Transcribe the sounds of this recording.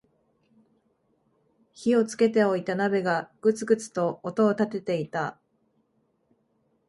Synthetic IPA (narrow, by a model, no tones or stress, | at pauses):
çio̞t͡sɨ̥ke̞t̪e̞o̞it̪anabe̞ɡaɡ̥ɯ̟t͡sɨɡɯ̟t͡sɨ̥t̪o̞ːt̪o̞ːt̪at̪e̞t̪e̞it̪a